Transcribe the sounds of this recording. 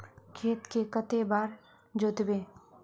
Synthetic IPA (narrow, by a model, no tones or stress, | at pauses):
kʰeːt̪kekət̪ebaːɾ | d͡ʒoːt̪bẽː